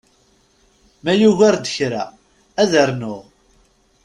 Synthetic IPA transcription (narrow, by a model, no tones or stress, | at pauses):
mæjuʝaɾd̪əçɾa̰ | æðəɾnʊʁ